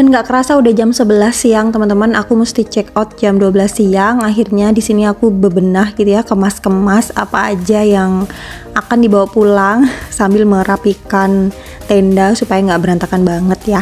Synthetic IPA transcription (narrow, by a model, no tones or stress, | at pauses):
danŋɡaʔkəɾasaudahd͡ʒamsəbəlahsiaŋt̪əmant̪əmanakumust̪it͡ʃɛkɔt̪̚d͡ʒamduabəlasiaŋaɦirɲadisiniakubəbənahɡit̪ujakəmaskəmasa̰paːd͡ʒajaŋ | akandibawapulaŋsambɪlməɾapikan | t̪ɛndasupajaŋɡaʔbəɾant̪akanbaŋət̪ja